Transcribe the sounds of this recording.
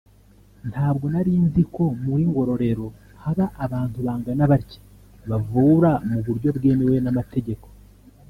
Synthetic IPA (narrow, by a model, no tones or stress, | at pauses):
n̥hʰaːbɡo̞naɾinziko̞muɾiŋɡo̞ɾo̞ɾe̞ɾo̞ | haβaʔːβaːntuβaːŋɡanaβaɾci̥ | βavuːɾamuβuɾɟo̞bɡe̞ːmewe̞namate̞ɟe̞ko̞̥